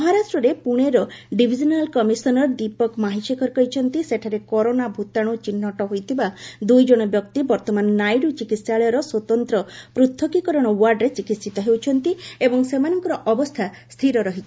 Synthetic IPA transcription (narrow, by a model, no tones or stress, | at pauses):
mɔɦaɾasʈɾɔɾepuɽ̃eɾɔɖibʱid͡ʒɔnalkɔmisɔnɔɾd̪ipɔkmaɦiʃekɔɾkɔɦit͡ʃʰɔnt̪iseʈʰaɾekɔɾonabʱut̪aɽ̃ut͡ʃinːɔʈɔɦojt̪ʰibad̪ujd͡ʒɔɽ̃ɔbjɔkt̪ibɔɾt̪ɔmanɔnajɖut͡ʃikit̪saɭɔjɔɾɔswɔt̪ɔnt̪ɾɔpɾut̪ʰːɔkikɔɾɔɽ̃ɔwaɾɖɾet͡ʃikit̪sit̪ɔɦewt͡ʃʰɔnt̪iebɔŋsemanɔŋkɔɾɔʔɔbɔst̪ʰa | st̪ʰiɾɔɾɔɦit͡ʃʰi̥